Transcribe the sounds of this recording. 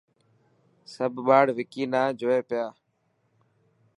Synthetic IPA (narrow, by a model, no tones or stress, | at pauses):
səbʱɓaːɽʋɪkiːnaːd͡ʒoːeːpɪjaː